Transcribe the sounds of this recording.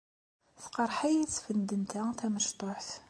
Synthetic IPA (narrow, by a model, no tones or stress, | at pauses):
θqɑɾˤħajit͡sːfənd̪ənt̪æθæməʃt̪ˤoħθ